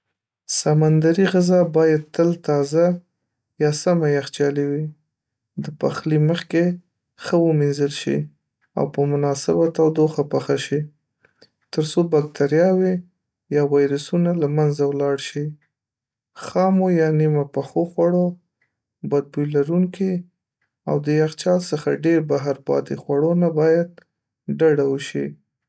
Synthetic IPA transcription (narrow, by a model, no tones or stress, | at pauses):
samand̪aɾiɣɪzɑbɑjad̪̚t̪əlt̪ɑza | jɑsamajaxt͡ʃɑliwi | d̪əpaxliməxke | xəwəminzəlʃḭ | a̰wpəmʊnɑsɪbat̪awd̪oxapaxaʃi | t̪əɾsobak̚t̪ʰaɾjɑwe | jɑwɑjɾasunalamanzawlɑɽʃi | xɑmojɑnimapaxoxwaɽo | bad̪̚bujlaɾuŋki | a̰wd̪əjaxt͡ʃɑlsəxa̰ɖeɾbaɦaɾpɑ̰t̪exwaɽonabɑjad̪̚ | ɖaɽawəʃi